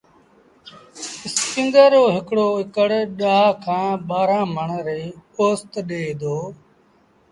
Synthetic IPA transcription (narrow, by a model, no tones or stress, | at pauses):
ɪskɪ̃nd̪əɾoːɦɪkɽoːɪkəɽɗaːaːkʰãːɓaːɾãːməɳɾeːoːst̪ɗeːd̪oː